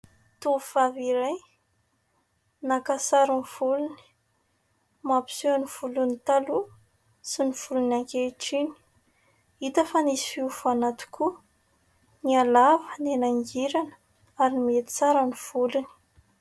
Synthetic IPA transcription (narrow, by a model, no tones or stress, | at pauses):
t̪ufaviɾaj | nakasaɾunv̥uluni̥ | mapi̥suaniv̥ulunit̪alu | siniv̥ulunaŋkʲeiʈ͡ʂini̥ | it̪əfanisi̥fiufanat̪u̥ku | nialavənenaŋɡiɾanə̥ | aɾinimiet̪i̥t͡saɾəniv̥uluni̥